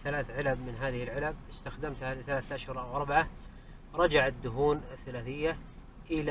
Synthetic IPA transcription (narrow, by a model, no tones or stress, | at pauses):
θalaːθʕɪlab̚mɪnɦaːðɪhɪlʕɪlab̚ɪst̪axd̪amt̪halɪθalaːθʔaʃhʊɾˤʔawʔɑɾˤbaʕa | ɾˤɑd͡ʒaʕad̪ːʊɦuːnaθːalaːθɪjːa | ʔɪla